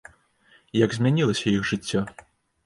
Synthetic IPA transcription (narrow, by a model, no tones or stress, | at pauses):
jɐɡzʲmʲanʲilˠɐsʲɐjixʐɨt͡sʲːɔ